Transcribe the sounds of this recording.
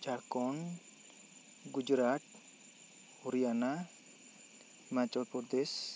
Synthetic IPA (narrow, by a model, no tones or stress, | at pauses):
d͡ʒaɾkɔn | ɡud͡ʒɾaʈ̚ | huɾijana | mat͡ʃɔlpɔɾd̪es